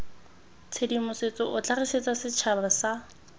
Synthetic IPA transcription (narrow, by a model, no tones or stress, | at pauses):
t͡sʰedimʊset͡sɔʔʊt͡ɬariset͡sʼasɪt͡ʃʰabasa